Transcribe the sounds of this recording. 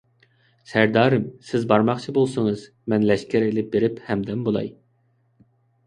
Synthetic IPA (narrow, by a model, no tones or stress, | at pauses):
sæɾd̪ɑːɾɨmsɪzbɑɾmɑχt͡ʃʰibolˠsɨŋɨz | mɛnlɛʃkʲæɾelɪp̚beɾɪphɛmd̪ɛmbolˠɑ̰j